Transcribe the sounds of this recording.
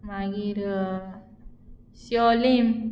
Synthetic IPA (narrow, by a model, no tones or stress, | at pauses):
maɡiɾ | siolim